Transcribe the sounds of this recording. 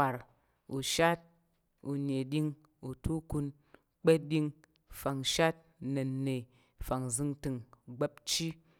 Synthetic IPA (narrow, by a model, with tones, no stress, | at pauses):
a˨ɾ | u˨ʃa˦t̚ | ṵ˨ne˨ɗi˦ŋ | u˨tu˦ku˧n | k͡pe˦di˧ŋ | fa˨ŋʃa˦t̚ne˨nːe˨ | fa˨ŋzɨ˧ŋtɨ˧ŋɡ͡be˦p̚t͡ʃi˦